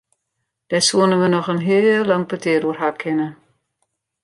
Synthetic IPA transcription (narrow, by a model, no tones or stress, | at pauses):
d̥ɛsuənənʋənɔxənɦɪəlːɑŋpətɪːɾuərɦakʰɪnə